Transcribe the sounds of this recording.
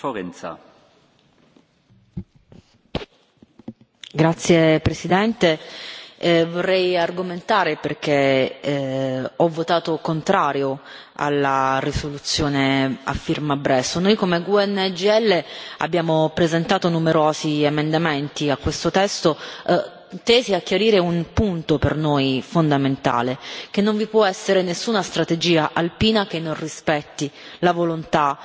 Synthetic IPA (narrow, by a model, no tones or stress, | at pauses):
foɾɛnt̪sa̰ | ɡɾat̪sːjepɾesid̪ɛnt̪e | vorːɛjarɡoment̪aːɾeperk̟e | ɔvːot̪aːt̪okont̪ɾaːɾjo | a̰lːarisolut̪sːjoːnea̰fːirmabɾɛsːonojkomeɡuɛnːed͡ʒiɛlːea̰bːjaːmopɾezent̪aːt̪onumeɾoːziemend̪ament̪iakːwest̪ot̪ɛst̪o | t̪ɛːziakːjaɾiːɾeunpunt̪opernojfond̪ament̪a̰ːlek̟enːoɱvipwɔɛsːeɾenesːuːnast̪ɾat̪ed͡ʒiːaʔalpiːnak̟enːonrispɛt̪ːilavolont̪a